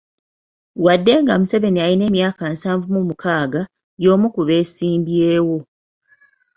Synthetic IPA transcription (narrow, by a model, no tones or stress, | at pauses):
wadːe̞ŋɡamuse̞βe̞niajine̞ːmjaːkansaːɱvumumukaːɡa | jo̞ːmukuβe̞ːsiːmbjeːwo̞